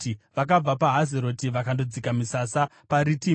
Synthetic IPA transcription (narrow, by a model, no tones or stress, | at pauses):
iʋak̬ab͡vapaɦazeɾo̞tiʋakando̞d͡zikamisasa | paɾiti